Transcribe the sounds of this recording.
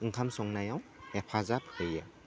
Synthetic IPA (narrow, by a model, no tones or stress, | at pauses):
ɯŋkʰamsɔŋnajaw | epʰazapʰɯja